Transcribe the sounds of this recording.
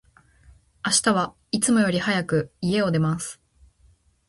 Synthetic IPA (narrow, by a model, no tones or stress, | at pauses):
aɕi̥t̪aβ̞a | it͡sɨmo̞jo̞ɾʲihajakɯ̟ie̞o̞d̪e̞masɨ̥